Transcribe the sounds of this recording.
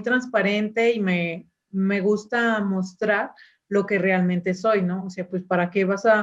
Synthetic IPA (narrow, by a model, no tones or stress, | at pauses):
jt̪ɾanspaɾe̞nt̪e̞ime̞ | me̞ɣ̞ust̪amo̞st̪ɾaɾ | lo̞ke̞re̞almẽnt̪e̞so̞jno̞ːseapwe̞spaɾake̞βasa